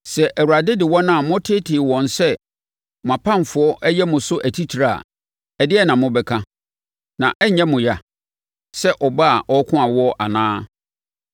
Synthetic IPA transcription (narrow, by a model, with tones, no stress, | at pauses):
sɛ˨ʔæ˨wu˨ɾa˨dɪ˦dɪ˨wɔ̃˦nã˦˨mʊ̃˦tʰɪ˦tʰɪ˨wɔ̃˨nsɛ˦ | m˨ã˨pʰã˦ɱ˨fʊ˨˦ɔ˦ʔɛ˦jɛ˦mʊ̃˨sʊ˦ʔæ˨tʰi˦tʰi˨ɾa˨a̰˨ | ɛ˨dɪ˦ɛ˦nã˨mʊ̃˦bɛ˨kʰã˦ | nã˨ʔɛ˦ɲɛ̃˦mʊ̃˨ja˨ | sɛ˦ʔɔ˨ba˦a˨ʔɔ˦kʰʊ̃˦ã˨wɔ˦ʔa˨nãː˦